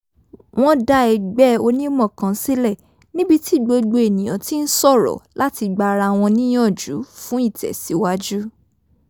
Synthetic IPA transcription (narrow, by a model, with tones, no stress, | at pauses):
w̃ɔ̃˦da˧˦ɛ˧ɡ͡bɛ˦o˧nĩ˦mɔ̃˦˨kã˨˦si˦lɛ˦˨ | nĩ˦bi˧ti˦˨ɡ͡bo˧ɡ͡bo˧e˨nĩ˨j̃ã˨˦ti˦n̩˦sɔ˦˨ɾɔ̰˨la˦ti˧ɡ͡ba˧ɾa˧˨w̃ɔ̃˧nĩ˦j̃ɔ̃˦˨d͡ʒṵ˨˦fũ˦i˦˨tɛ̰˨si˨˦wa˦d͡ʒu˦